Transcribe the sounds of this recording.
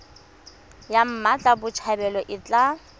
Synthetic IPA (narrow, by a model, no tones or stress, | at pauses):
jam̩mat͡ɬʼabʊt͡ʃʰabɛlɔʔɪt͡ɬʼa